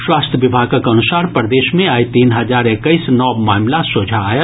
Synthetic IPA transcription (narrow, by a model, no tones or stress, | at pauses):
swaːst̪ʰjəʋɪbʱaːɡəkɐnusaːɾpɾəd̪eːʃmẽaːjt̪iːnɦɐd͡ʒaːɾekəisnɔːbmaːmlasoːd͡ʒʱajə